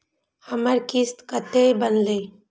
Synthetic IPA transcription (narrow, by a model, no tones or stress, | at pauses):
həməɾkɪst̪kət̪ebənleː